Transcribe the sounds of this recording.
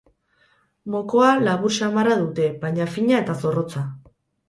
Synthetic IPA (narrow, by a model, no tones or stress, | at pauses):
mo̞koalaβuɾʃamaraðut̪e̞βajɲafiɲae̞t̪aso̞ro̞t͡sa